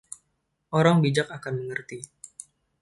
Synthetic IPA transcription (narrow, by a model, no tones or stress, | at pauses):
ʔoɾaŋbid͡ʒakakanməŋərt̪i